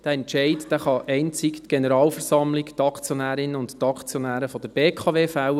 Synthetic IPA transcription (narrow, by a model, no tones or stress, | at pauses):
d̥æɛntʃɛɪtd̥æːχɑʔɛɪnt͡sɪktɡ̥enəɾɑːlfɛɾsɑmlɪkt̪ɑkt͡sjɔnæːɾɪnəʊnttɑkt͡sjɔnæːɾəfɔd̥̪əɾb̥eːkʰɑʋeːfæw